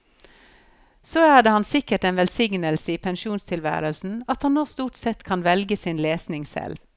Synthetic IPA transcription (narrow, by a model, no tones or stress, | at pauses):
soːæːdeːhɑnsɪkəʈeːnʋɛlsɪŋnəlsəiːpʰɛnʃuːnst̪ʰɪlʋæ̰ːɾəlsn̩ɑt̪hɑnːoːst̪uːʈsɛt̪kʰɑnʋɛlɡəsiːnleːsnɪŋsɛ̰l